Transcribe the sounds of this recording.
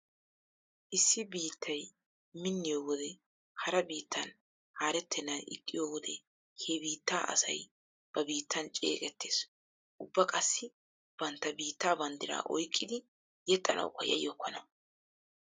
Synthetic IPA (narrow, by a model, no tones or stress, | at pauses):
ʔɪsːɪbiːt̪ʰːɐj | mɪnːɪjoːwɔd̪ɛ | hɐɾɐbiːt̪ːɐn | haːɾɛt̪ːɛnːɐnɪ̰kʼːɪjoːwɔd̪ɛ | hebiːt̪ːaːʔɐ̰sɐ̰j | b̥ɐbiːt̪ʰːɐnt͡ʃʼe̞̰ːkʼɛt̪ːe̞ːs | ʔʊbːɐkʼɐsːɪ | b̥ɐnt̪ːɐbiːt̪ːaːbɐnd̪ɪɾa̰ːʔɔjkʼːɪd̪ɪ | jɛt̪ʼːɐnʔɐ̰wkːɐjɐ̰jɔkːɔnɐ